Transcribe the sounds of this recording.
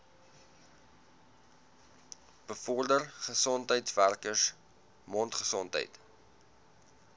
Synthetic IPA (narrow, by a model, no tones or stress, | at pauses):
b̥əfɔrdərχəsɔntɦəjtværkəs | mɔntχəsɔntɦə̰jt